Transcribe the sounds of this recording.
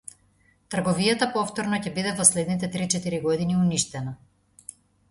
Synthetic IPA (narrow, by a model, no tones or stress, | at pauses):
t̪r̩ɡɔvijat̪apɔft̪ɔɾnɔcɛbid̪ɛvɔslɛd̪nit̪ɛt̪ɾit͡ʃɛt̪iɾiɡɔd̪iniuniʃt̪ɛna